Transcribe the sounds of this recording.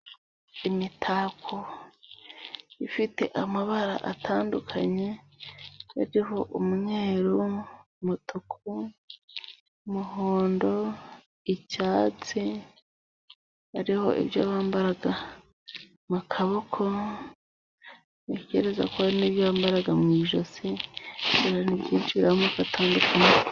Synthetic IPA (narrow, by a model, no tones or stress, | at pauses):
imitʰaːkʰo | ifite̞̰ʔamaβaɾa̰ʔa̰tʰaːndukʰaɲe̞ | haɾiɦo̞ʔumuɲeːɾu | mutʰukʰu | muɦoːndo̞ | icaːt͡si | aɾiho̞̰ʔḭbjoβaːmbaɾaɡa | mukʰaβokʰo̞ | eceɾeza̰koaɾiniːβjoaːmbaɾaɡamŋiːʒosi | eɾanibɟiːnt͡ʃiɾamukatʰaːndukʰaɲe